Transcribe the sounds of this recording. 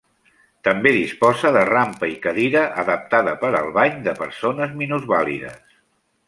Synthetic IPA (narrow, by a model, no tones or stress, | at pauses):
t̪əmbeðispɔzəðərampəikəðiɾəʔəðəp̚t̪aðəpəɾə̰lˠβaɲd̪əpəɾsonəzminuzβalḭðə̰s